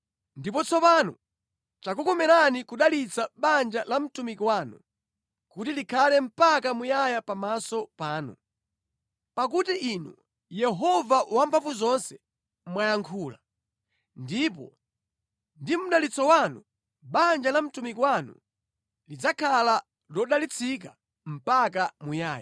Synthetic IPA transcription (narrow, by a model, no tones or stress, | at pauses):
ndipɔt͡sɔpanṵ | t͡ʃakukɔmɛɾanikuɗalit͡saɓand͡ʒalam̩tumikwanṵ | kutilikʰalɛm̩pakamujajapamasɔpaːnṵ | pak̬utiʔinṵ | jɛɦɔvawampʰavuzɔnsɛ̥ | mwajaŋkʰuːla | ndip̬ɔ̰ | ndim̩ɗalit͡sɔwanu | ɓand͡ʒalam̩tumikwanṵ | lid͡zakʰala | lɔɗalit͡sʰik̬a | m̩pakamujaːja